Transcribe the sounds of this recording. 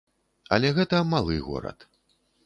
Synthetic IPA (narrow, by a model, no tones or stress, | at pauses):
ɐ̰lʲɛɣɛt̪ɐmalˠɨ̰ɣɔ̰ɾɐ̰t̪